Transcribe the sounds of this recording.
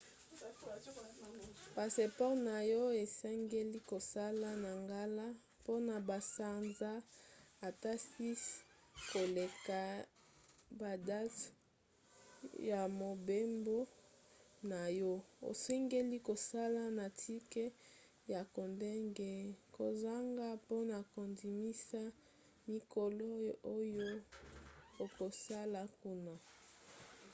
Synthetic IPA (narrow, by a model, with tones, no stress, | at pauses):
pa˨se˨pɔ˦ʁna˨jɔ˦e˨sɛ˦ŋɡe˦li˦ko˨sa˦la˦na˨ŋɡa˦la˦ | po˦na˨ba˨sa˦nzaː˦˨ | ta˦si˦s | ko˨le˨ka˨ | ba˨da˦t | ja˨mo˨be˦mbo˦ | na˨jɔ˦o̰˨sɛ˦ŋɡe˦li˦ko˨sa˦la˦na˨tʰi˦kɛ˦ | ja˨ko˨nde˦ŋɡɛ˦ko˨za˦ŋɡa˦po˦na˨ko˨ndi˨mi˦sa˦ | mi˨ko˨lo˦o˦jo˦ | o˨ko˨sa˦la˨ku˦na˨